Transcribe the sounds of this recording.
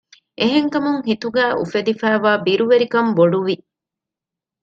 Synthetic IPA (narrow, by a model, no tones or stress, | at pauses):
ʔeɦeŋkɐmuŋɦit̪uɡæːʔṵfed̪ifæːʋaːbiɾuʋeɾikɐmboɖuʋi